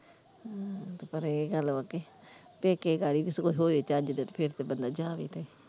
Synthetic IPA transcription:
t̪opəɾeɡəlaːkeː | peːkeːɡaːɽiːbɪskoːiɦoːeːt͡ʃaːd͡ʒd̪et̪pʰɪɾt̪eːbənd̪aːd͡ʒaːʋeḭːt̪eːi

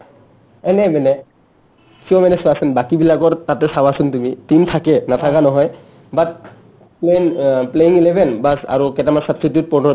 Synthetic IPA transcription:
ɛnɛmɛnɛ | siɔmɛnɛsɔasɛnbakibilakɔɹtatɛsawasuntumitimtʰakɛnatʰakanɔɦɔj | bat̚ | plenpleiŋilebʱɛnbasa̰ɹukɛtamansabstitjut̚pɔnɔ

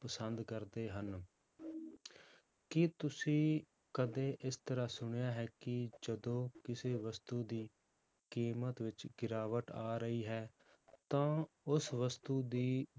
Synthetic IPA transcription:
pəsənd̪kəɾd̪eːɦən | kɪt̪ʊsĩː | kəd̪eːʔɪst̪əɾaːsʊɳ̃jaːɦɛːkɪd͡ʒəd̪õːkɪseːʋəst̪uːd̪iː | kiːmət̪ʋɪt͡ʃɡɪɾaːʋəʈaːɾəiːɦɛː | t̪ãː | ʊsʋəst̪uːd̪iː

